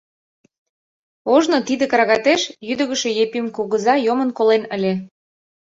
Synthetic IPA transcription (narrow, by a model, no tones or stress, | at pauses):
oʒnot̪id̪ekɾɑɣɑt̪eʃjyd̪ə̆ɣə̆ʃejepimkuɣə̆zɑjomə̆nkolenə̆lʲe